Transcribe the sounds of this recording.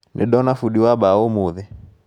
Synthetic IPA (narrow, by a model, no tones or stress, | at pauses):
nʔḛɗɔnafuɗiwaɓaomuðɛ